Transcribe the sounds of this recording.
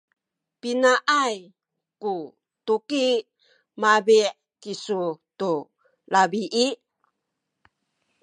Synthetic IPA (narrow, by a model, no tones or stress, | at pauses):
pinaʔaj | ku | t̪uki | mabiʔ | kisutu | labiʔi